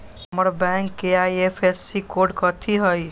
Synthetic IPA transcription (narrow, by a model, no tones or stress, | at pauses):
ɦəməɾbɛ̃ŋkːeajepʰesːikoɾɖkət̪ʰiɦəj